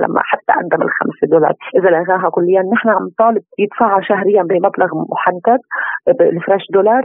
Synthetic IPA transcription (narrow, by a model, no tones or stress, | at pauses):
la̰mːa̰ħat̪ːa̰ʔand̪amɪ̰lxa̰msed̪olɑ̰ːɾˤʔɪzalʔaɣaːɦakʊlːɪjːanːɪħnaʕamnt̪ˤɑːlɪb̚jɪt̪faːʕːaʃaɦɾɪjːambimablaɣmʊħant̪ad̪bɪlfɾaːʃd̪olɑːɾˤ